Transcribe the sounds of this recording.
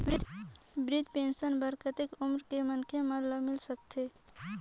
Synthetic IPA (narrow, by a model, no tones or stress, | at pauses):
ɾɪ | bɾɪd̪ʱpẽːnʃənbəɾkət̪ɪkʊmɾkemənkʰemələmɪlsək̚t̪ʰeː